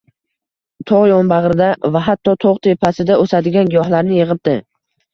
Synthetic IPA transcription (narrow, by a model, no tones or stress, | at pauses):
t̪ʰɒʁjɒnbaʁɾɪd̪avaɦat̪ʰːɒt̪ʰoʁt̪ʰepʰasɪd̪aosad̪ɪɡʲanɡʲjɒhlaɾnɪjɨʁɨp̚d̪̥ɪ